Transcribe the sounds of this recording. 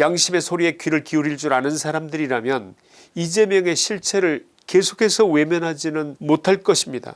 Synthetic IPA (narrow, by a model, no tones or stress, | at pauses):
jaŋɕʰime̞sʰoɾie̞kɥiɾɯɭkiuɾiɭd͡ʑuɾanɯnsʰaɾamdɯɾiɾamjʌn | id͡ʑe̞mjʌŋe̞ɕʰiɭt͡ɕʰeɾɯɭ | ke̞sʰo̥kʰe̞sʰʌwe̞mjʌnɦad͡ʑinɯnmotʰaɭk͈ʌɕʰimɲida̰